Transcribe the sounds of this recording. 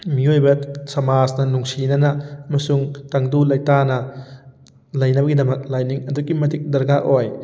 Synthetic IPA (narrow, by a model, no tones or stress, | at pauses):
miojbɐsɐmasnɐnuŋsinɐnɐɐmɐsuŋtɐŋdulɐjtanɐ | lɐjnɐbɐɡidɐmɐk̚lajniŋɐdukimɐdik̚dɐɾɡaʔoj